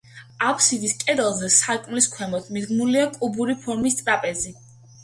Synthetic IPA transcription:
apʰsid̪iskʼɛd̪ɛlˠzɛsakʼmliskʰwɛmɔt̪ʰmid̪ɡmuliakʼubuɾipʰɔɾmist̪ʼɾapʼɛzi

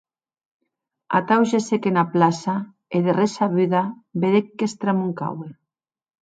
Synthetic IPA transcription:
a̰t̪awʃesekenaplasa | eðeresaβyðabeðekːest̪ɾamuŋka̰we

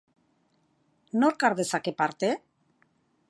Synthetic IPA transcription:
noɾkaɾðesakepaɾt̪e

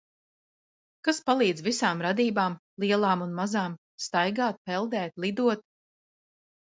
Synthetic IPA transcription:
kaspalˠiːd̪zvisaːmɾad̪iːbaːmlˠiɛlˠaːmunmazaːm | st̪ajɡaːt̪̚pɛlˠd̪ɛːt̪lˠid̪uɔt̪̚

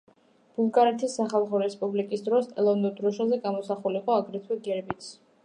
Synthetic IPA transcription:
b̥ulˠɡaɾɛt̪ʰisːaχalˠχɔɾɛspʼublikʼisd̪ɾɔsʼɛlˠɔvnud̪ɾɔʃazɛɡamɔsaχuliqʼɔaɡɾɛt̪ʰwɛɡɛɾɛbit̪sʰ

